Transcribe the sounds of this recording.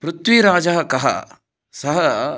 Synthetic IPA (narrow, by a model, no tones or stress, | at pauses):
pɾut̪ʋiɾaːd͡ʒɐɦɐkɐɦɐ̰ | sɐɦɐ